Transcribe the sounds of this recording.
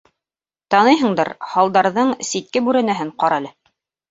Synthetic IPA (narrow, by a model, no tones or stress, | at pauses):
t̪ɑnɤjɦɤ̆ɴd̪ɤ̰ɾhɑlˠd̪ɑɾðɤɴsit̪̚kɘbʉɾænæɦɘɴqɑɾɑlɤ